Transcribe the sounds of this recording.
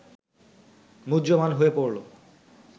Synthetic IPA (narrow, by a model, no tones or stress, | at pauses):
mudd͡ʑomanɦoepoɾlo